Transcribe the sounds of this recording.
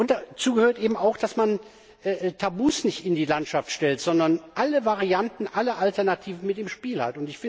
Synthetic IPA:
ʔʊntd̥at͡suːɡəhøːɐtʔeːbm̩aʊxd̥asman | ʔɛːtʰabuːsnɪçtɪndiːlantʃaftʃtɛltz̥ɔndɐnʔaləvaʁiantn̩ʔalɐʔaltɛɐnatʰiːvn̩mɪt̚d̥eːmʃpiːlha̰tʊntɪçfɪ

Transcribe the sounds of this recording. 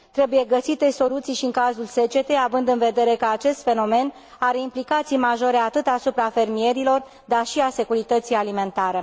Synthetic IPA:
t̪ɾe̞buje̞ɡəsit̪e̞so̞lut̪sijʃiɨŋkazulse̞t͡ʃe̞t̪e̞avɨnd̪ɨnve̞d̪e̞ɾe̞kəat͡ʃe̞st̪fe̞no̞me̞n | aɾe̞implikat̪sijmaʒo̞ɾe̞at̪ɨt̪asupɾafe̞rmie̞ɾilo̞r | d̪arʃiase̞kuɾit̪ət̪sijalime̞nt̪aɾe̞

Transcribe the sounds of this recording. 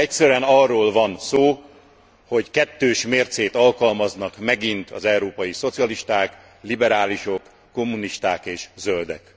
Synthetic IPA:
ɛcsɛɾyɛnɒrːoːlvɒnsoː | ho̞ckɛt̪ːøːʃmeːrt̪seːt̪ɒlkɒlmɒznɒkmɛɡint̪ɒ̰zɛuɾoːpɒjiso̞t̪sijɒliʃt̪aːk | libɛɾaːliʃo̞kː | o̞mːuniʃt̪aːkeːʃzøld̪ɛ̰k

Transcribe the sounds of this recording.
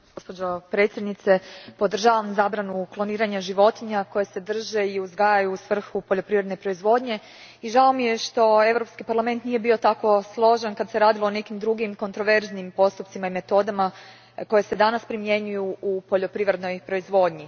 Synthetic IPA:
ɡ̥o̞spo̞d͡ʑopɾe̞t̪sʲjed̪nit̪se̞po̞d̪r̩ʒaːʋamzaːbɾanuklˠo̞niːɾaɲaʒiʋo̞t̪iɲako̞jese̞d̪r̩ʒe̞iuzɡaːjajuːsʋr̩xupo̞ʎo̞pɾiʋɾed̪nepɾo̞izʋo̞ːd̪ɲe̞ | iʒao̞mije̞ʃt̪o̞e̞vɾo̞pskipaɾlam̞nt̪nije̞bio̞t̪ako̞slˠo̞ʒenkad̪se̞ɾaːd̪ilˠo̞ːne̞kimd̪ɾuɡimko̞nt̪ɾo̞ʋe̞ɾznimpo̞st̪upt̪simaime̞t̪o̞d̪ama | ko̞je̞se̞d̪anaspɾimje̞ɲujuʔupo̞ʎo̞pɾiʋɾe̞d̪no̞jpɾo̞izʋo̞ːd̪ɲi

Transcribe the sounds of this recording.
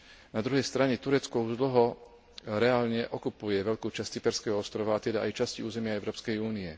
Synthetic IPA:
nad̪ɾuɦɛjst̪ɾaɲɛt̪uɾɛt͡skɔuʒd̪l̩ɦɔ | ɾɛaːlɲɛʔɔkupujɛʋɛʎkuːt͡ʃasct͡sipɛɾskɛɦɔɔst̪ɾɔʋaːt̪ɛd̪aʔajt͡ʃasciuːzɛmɪaɛʊɾɔːpskɛjuːniɛ

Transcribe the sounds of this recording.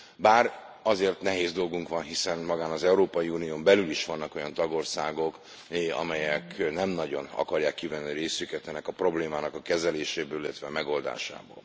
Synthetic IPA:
baːrɒzeːrt̪nɛɦeːzd̪o̞lɡuŋkʋɒnɦisɛnmɒɡaːnɒzɛuɾoːpɒjiuːnijoːmbɛlyliʃʋɒnːɒko̞jɒnt̪ɒɡo̞rsaːɡo̞k | ɒ̰mɛjɛknɛmnɒɟo̞nɒ̰kɒrjaːkːivɛnːiɾeːsykɛt̪ɛnɛkɒpro̞bleːmaːnɒkɒkɛzɛleːʃeːbøːlilːɛt̪ʋɛmɛɡo̞ld̪a̰ːʃa̰ːbo̰ːl

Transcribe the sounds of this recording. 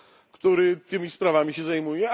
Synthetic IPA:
kt̪uɾɘt̪ɘmʲispɾavamʲiɕɛzajmujɛ

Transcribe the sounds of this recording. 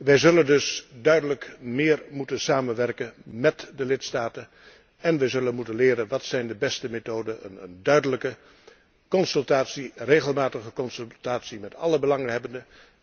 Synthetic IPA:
ʋɛjzɵləndɵsdœɥdələkmɪːɹmutənsaːmənʋɛrkənmɛtdəlɪtstaːtən | ɛnʋɛjzɵlənmutənlɪːɾənʋɑtsɛjndəbɛstəmetoːdənə̰nə̰ndœɥdələkə | kɔnsɵlˠtaːtsirejɣəlˠmaːtəχəkɔnsltaːtsimɛtɑ̰ləbəlɑŋənɦɛbəndə

